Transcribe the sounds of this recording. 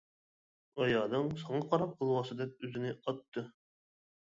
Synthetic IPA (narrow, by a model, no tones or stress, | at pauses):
ɑjɑːnɨŋsɑɴɑqʰɑɾɑpɑlˠwɑsɨd̪ɛp̚øzɪnɪʔɑt̪ːɨ